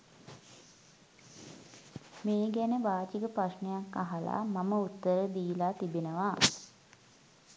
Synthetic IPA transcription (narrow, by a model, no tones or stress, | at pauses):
meːɡænəʋaːt͡ʃikəpɾaʃnəjakːaɦala̰maməut̪ːəɾəd̪iːlaːt̪ibenəʋa